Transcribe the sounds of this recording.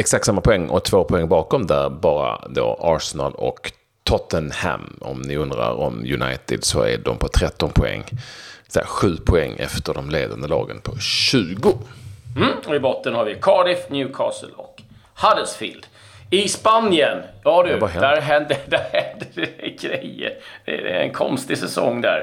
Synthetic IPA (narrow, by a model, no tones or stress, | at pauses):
ɛksakt̪samːapʰʊɛŋːʔɔt̪ʰv̥oːpʰʊɛŋːbɑːkɔmd̪æɾbɑːɾad̪o̰ːʔɑɾsɛnalɔk | t̪ʰɔt̪ənhæmɔ̰mnɪɵnd̪ɾaɾɔmjɵnajt̪ɪd̪sɔæɖɔmpʰɔt̪ʰɾɛt̪ːɔnpʰʊɛ̰ŋːsɛɧʉ̟ːpʰʊɛŋːɛft̪əɖɔmleːd̪and̪əlɑːɡənpʰɔɕʉ̟ːɡʊm̩ːɔɪbɔt̪ːənhaɾvɪkʰɑːɖɪfnjʉ̟ːkʰɑ̰ːsə̰lɔ̰k | had̪əlsfḭːld̪̥ | ɪspanjənjɑːd̪ɵbɑɦɛd̪æɾɦɛnd̪əd̪æɾhɛnd̪əd̪ɛɛɡɾɛjə̰d̪̥ɛɛɛ̰nkʰɔ̰nst̪ɪsɛsɔ̰ŋːd̪æ̰ɾ